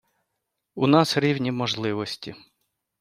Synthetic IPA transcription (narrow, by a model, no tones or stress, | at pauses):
unɑsɾʲiwnʲimɔʒlˠɪʋɔsʲtʲi